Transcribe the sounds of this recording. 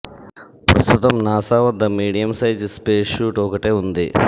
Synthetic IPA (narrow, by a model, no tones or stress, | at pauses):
pɾɐst̪ut̪ɐmnaːsaːʋɐd̪ːɐmiːɽijɐmsɐjd͡ʒspeːʂuːʈɔːkɐʈeːund̪i